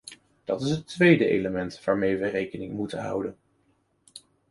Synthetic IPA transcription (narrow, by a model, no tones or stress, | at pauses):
d̥ɑtɪsɦətʋejdəʔḛjləmɛntʋaːɹmejʋərejkənɪŋmutənɦʌ̰wdən